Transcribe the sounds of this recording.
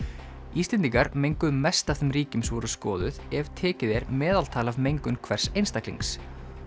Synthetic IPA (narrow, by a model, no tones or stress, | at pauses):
iːst̪ɛnt̪iŋkaɾmejŋkʏðmɛst̪afθɛmriːcɪmsvɔɾʏskɔːðʏðɛvt̪ʰɛːcɪðɛɾmɛːðal̥t̪ʰaːlavmejŋkʏnkʰvɛr̥sejnst̪aklḭŋs